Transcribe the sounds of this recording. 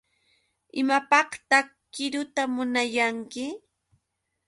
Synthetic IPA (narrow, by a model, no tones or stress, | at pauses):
ɪmapɑχt̪akɪɾʊt̪amʊnajaŋkɪ